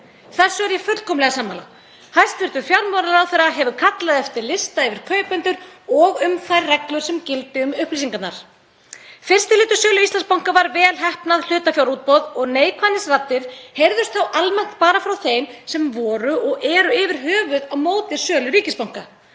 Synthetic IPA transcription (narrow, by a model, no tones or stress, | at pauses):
θɛsːʏɛɾjɛfœɾlkʰɔmlɛɣasaːmːaːla̰ | hajst̪vɪɾ̥t̪ʏfjawɾnmɔɾaɾawθɛjɾːaɦɛvʏkʰat̪laðɛft̪ɪɾlɪst̪aɪvɪɾ̥kʰœːɥpɛnt̪ʏɾɔɣʏmθajɾːɛklʏɾ̥sɛmcɪlt̪ɪʏmʏhplisiŋkat̪na̰ɾ̥ | fɪr̥st̪ɪlɪːt̪ʏ̥sœːlʏist̪lanspawŋ̥kavaɾvɛːlɦɛhpnaðl̥ʏːt̪afjawɾuːt̪̚pɔðɔɣneːjkʰvanːɪsrat̪ːɪɾ̥hejɾðʏst̪θawʔalmɛn̥t̪paːɾafɾawθejnsɛmvɔːɾʏʔɔɣɛɾʏɪvɪɾ̥ɦœːvʏðamoːwt̪ɪ̥sœːlʏɾiːcɪspawŋ̥ka